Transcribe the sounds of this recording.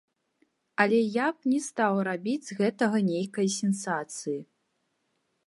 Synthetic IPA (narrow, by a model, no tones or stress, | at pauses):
ɐlʲɛjapnʲɛst̪awrabʲid͡zʲɣɛt̪ɐɣɐnʲejkɐjsʲɛnsat̪sɨji